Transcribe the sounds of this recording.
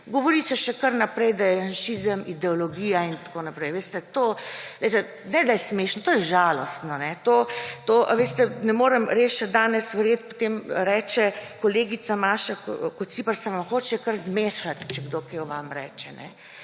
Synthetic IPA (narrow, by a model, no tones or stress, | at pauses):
ɡoʋoɾisɛʃɛkəɾnapɾɛjd̪ajɛanʃiːzəmʔid̪ɛɔloɡiːjaint̪ḁkonapɾɛjʋeːst̪ɛt̪oːlɛɪjt̪ɛ | nɛd̪ajɛsmeːʃnɔt̪oːjɛʒaːlɔst̪nɔnɛt̪oːt̪oːʔa̰ʋeːst̪ɛnɛmoːɾɛmɾeːsʃɛd̪aːnɛsʋɛɾjet̪pot̪emɾɛːt͡ʃɛkoleːɡit̪samaːʃakkɔt̪sipəɾsɛʋamxoːt͡ʃɛkəɾzmeːʃat̪t͡ʃɛɡd̪okeʋamɾɛ̰ːt͡ʃɛnɛ̰